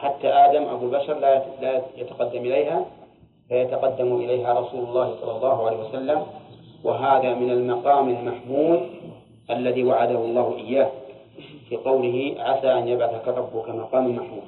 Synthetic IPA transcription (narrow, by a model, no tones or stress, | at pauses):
ħat̪ːaʔaːd̪amʔabuːbaʃɑɾˤlalajat̪ḁqɑd̪ːamʔɪlajha | fajat̪aqɑd̪ːamuʔɪlajɦaɾˤɑsuːlʊlˤːɑːhisˤɑlːɑlˤːɑːɦuʕalejːhiwasalːamwʔa̰ɦaːðamɪnalmɑqɑːmalmaħmuːd̪ | ʔalːaðiːwaʕad̪ahʊlˤːɑːhuʔɪjːaːh | fiːqɑwlɪɦiʕasaːʔanjabʕaθakaɾˤɑbːʊkamɑqɑːmalmaħmuːd̪